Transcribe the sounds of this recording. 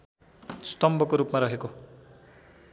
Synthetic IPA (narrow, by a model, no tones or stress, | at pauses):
st̪ʌmbʌkoɾupmaɾʌɦeko